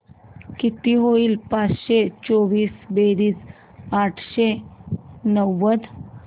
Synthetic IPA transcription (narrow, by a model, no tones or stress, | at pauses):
kit̪iɦoiːlpat͡sɕet͡sɔʋiːsbeɾiːs | aʈʰɕe | nəʋːəd̪